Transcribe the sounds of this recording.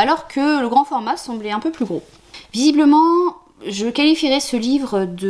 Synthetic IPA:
alɔʁkʰələɡʁɑ̃fɔʁmasɑ̃blɛɛ̃pøplyɡʁo | vizibləmɑ̃ | ʒəkalifiʁɛsəlivʁəd̪ə

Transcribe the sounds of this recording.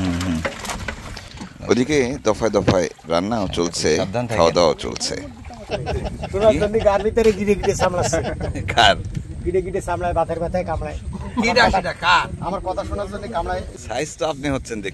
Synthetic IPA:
o̰d̪iked̪ɔfaed̪ɔfaeɾa̰nːaot͡ɕolt͡ɕʰed̪ʰkʰawad̪awa̰t͡ɕo̰lt͡ɕʰḛ | ʃonaɾd͡ʑonːiɡaɾbit̪aɾeɡiɖeɡiɖesamlat͡ɕʰeɡʱaɾɡiɖeɡiɖesamlaebat̪aɾbɛt̪ʰaekamlaekiɖaʃdakaɾamaɾkɔt̪ʰaʃonaɾd͡ʑonːikamlaeʃajstoapniɦotːɕʰend̪ekʰ

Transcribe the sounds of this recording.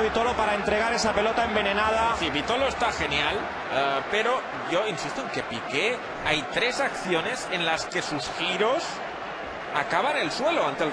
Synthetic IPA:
βit̪olopaɾaent̪ɾeɣ̞aɾesape̞lot̪aembe̞ne̞nað̞asiβit̪oloest̪axe̞njal | peɾo̞ | ʝoinsist̪o̞e̞ŋkepike | ajt̪ɾe̞sakθjone̞senlaske̞susxiɾos | akaβanelsweloant̪el

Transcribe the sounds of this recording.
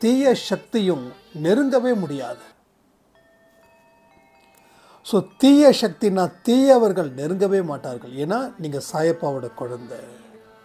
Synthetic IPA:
t̪iːjɐʂɐk̚t̪ɪjɯm | nɛɾɯŋɡ̪ɐʋeːmʊɽɪjaːðɯ | soːt̪iːjɐʂɐk̚t̪ɪnaːt̪iːjɐʋɐɾɣɐɭnɛɾɯŋɡɐʋeːmaːʈːaːɾɣɐɭeːnːaːniːŋɡɐsaːjɐpːaːʋɯɽɐkɔɻɐnd̪ɐ

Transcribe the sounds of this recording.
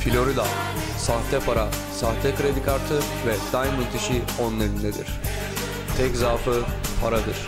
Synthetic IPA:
filʲoɾid̪a | saht̪ɛpʰaɾa | saht̪ʰɛkɯɾed̪ikaɾt̪ʰɯ | vɛd̪̥ajmyt̪ʰeʃi | onlˠaɾind̪ɛd̪ḭɾ̥ | t̪ʰɛczaːfɯpʰaɾad̪ɯɾ̥

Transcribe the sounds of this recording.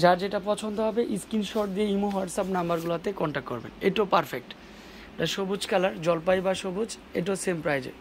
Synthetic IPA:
d͡ʑaɾd͡ʑeʈapɔt͡ɕʰond̪oɦɔbeʔiskinʃɔʈd̪ieimuɦoaʈsapnambaɾɡulat̪ekɔɳʈak̚kɔɾbḛneʈaopaɾfek̚ʈ | ʈaʃobod͡ʑkalaɾd͡ʑɔlpajbaʃobod͡ʑ | ḛʈ̬asempɾajd͡ʑḛ

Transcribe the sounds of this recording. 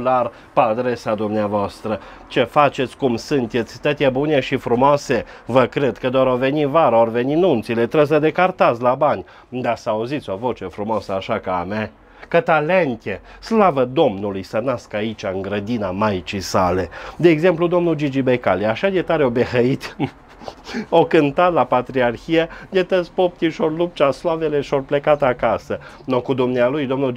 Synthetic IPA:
lar | pəad̪ɾesad̪umneavoast̪ɾə | t͡ʃe̞fat͡ʃe̞t̪sʲkumsɨnt̪e̞t̪sʲt̪ət̪jebune̞ʃifɾumoase̞ | vəkɾed̪kəd̪oɾove̞nivaɾəorveninunt̪silet̪ɾes̬əd̪e̞kart̪asʲlabanʲ | d̪asəauzit̪sʲo̞vo̞t͡ʃe̞fɾumosəaʃakaame | kət̪aleŋkʲe | slavəd̪o̞mnulujsənaskait͡ʃaɨŋɡɾəd̪inamajt͡ʃisa̰led̪eːɡze̞mplud̪o̞mnud͡ʒid͡ʒibekaliaʃaj̪et̪aɾeobeɦəit̪ | okɨnt̪at̪lapat̪ɾiarxijej̪et̪ət̪sʲpop̚t̪ʲiʃorlup̚t͡ʃaslaveleʃorplekat̪akasə | nokud̪umnealujd̪o̞mnu

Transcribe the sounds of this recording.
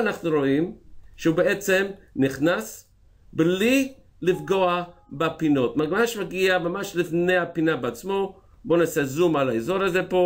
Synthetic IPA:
anaχnuɾo̞imʃeubeet͡semniχnas | bli | lifɡo̞abapino̞tmaɡmaaʃmaɡiamamaʃlifnejhapinabeat͡smo̞ | bo̞nasezumalaezo̞ɾazepo̞

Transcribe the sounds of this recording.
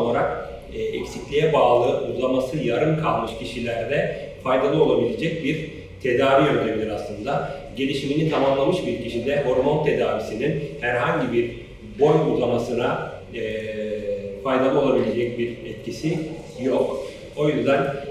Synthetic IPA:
olˠaɾak̚ː | ɛcsiclʲijɛbaːlˠɯʔuɡlˠamasɯjaɾɯmkʰalˠmɯʃcʰiʃilʲæɾd̪ɛfajd̪alˠɯo̞lˠabilʲe̞d͡ʒɛc̚biɾ | t̪ʰe̞d̪aːvijø̞nt̪ʰeminʲiɾaslˠɯnd̪aɟe̞lʲiʃiminit̪ʰamamlˠamɯʃbiɾciʃind̪ɛɦo̞ɾmo̞nt̪ʰe̞d̪aːvisininhæɾɦaɲɟibiɾ | bo̞juɡlˠamasɯna | fajd̪alˠɯo̞lˠabilʲe̞d͡ʒɛc̚biɾɛt̪̚cisi | jok | o̞jyzd̪æn

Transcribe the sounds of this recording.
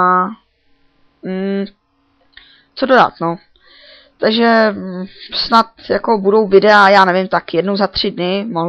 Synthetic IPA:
a | m̩ | t͡sododa̰t̪no | t̪aɡʒɛ | snat̪jako̞budo̞wvɪdɛajaːnɛvɪmt̪akjɛdnowzat̪r̝̥ɪdnɪmoɦ

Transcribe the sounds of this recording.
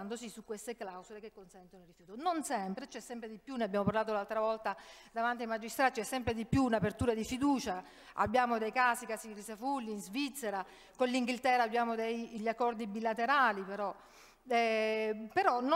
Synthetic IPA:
nd̪osisukːwest̪eklawsolekekːonsɛnt̪onoirifjuːt̪ononsɛmpɾet͡ʃɛsːɛmpɾed̪ipjuneabjaːmopaɾlaːt̪oulalt̪ɾavɔlt̪ad̪avant̪iajmad͡ʒist̪ɾaːt̪t͡ʃɛsːɛmpɾed̪ipːjuːnapert̪uːɾad̪ifid̪uːt͡ʃa | a̰bːjaːmod̪ejkaːsikasirisafulːiːnzvit̪sːeɾa | konliŋɡilt̪ɛrɾaːbːjaːmod̪ejʎːakːɔrd̪ibilat̪eɾaːlipeɾɔ | ɛpeɾɔn

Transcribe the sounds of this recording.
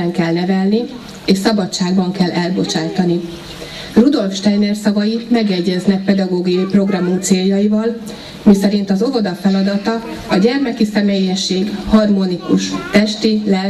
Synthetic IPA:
ɛŋkɛlnɛvɛlni | eːʃsɒbɒtt͡ʃːaːɡbɒŋkɛlːɛlbo̞t͡ʃaːt̪ɒni | rud̪o̞lfʃt̪ɛjneːrsɒvɒjimɛɡjɛɟːɛznɛk̚pɛd̪ɒɡoːɡijɒjipro̞ɡrɒmumt̪seːljɒjivɒl | misɛɾin̪t̪ɒzo̞vo̞d̪ɒfɛlɒd̪ɒt̪ɒ | ɒɟɛrmɛkisɛmeːjɛʃːeːɡhɒrmo̞nikuʃt̪ɛʃt̪ilɛ

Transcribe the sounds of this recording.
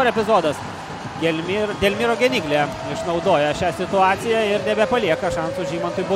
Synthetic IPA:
oɾɛpʲɪzoːd̪ɐs | ɡʲɛlʲmʲd̪ʲeːlʲmʲiːɾoːɡʲɛnʲiːɡlʲe | ɪʃnɐɒʊd̪oːjɛʃʲæːsʲɪt̪ʊɑːt̪sʲɪjæɪɾnʲɛbʲɛpɐlʲiɛkɐʃɐnsʊʒʲiːmɐnt̪ʊjbʊ

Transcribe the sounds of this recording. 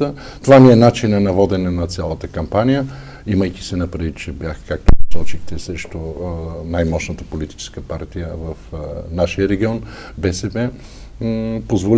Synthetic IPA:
t̪ə | t̪ovaniɛnat͡ʃinɐnɐvɔd̪ɛnɛnɐt̪sʲjalˠət̪əkɐmpanijə | iməjkʲi̥sɛnɐpɾɐd̪it̪t͡ʃɛbjaxkak̚t̪oɐsɔt͡ʃixt̪ɛsɾɛʃt̪onajmɔʃnət̪əpolit̪i̥t͡ʃɛ̥skəpaɾt̪ijəvɐfnaʃijəɾɛɡʲiɔn | bɛsɛbɛ | pozvol

